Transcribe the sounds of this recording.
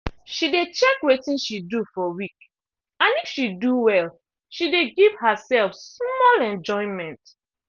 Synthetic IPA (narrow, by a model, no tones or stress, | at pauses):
ʃidet͡ʃɛkwetĩnʃidufɔwik | ãnifʃiduwɛl | ʃideɡiv̥həsɛlfsmɔlɛ̃nd͡ʒɔ̃ɪ̃nmɛ̃nt